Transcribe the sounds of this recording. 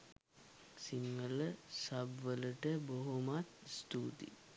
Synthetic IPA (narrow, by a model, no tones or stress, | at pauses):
siŋːəlsɐbʋəluʈəboɦumat̪̚st̪uːd̪ḭ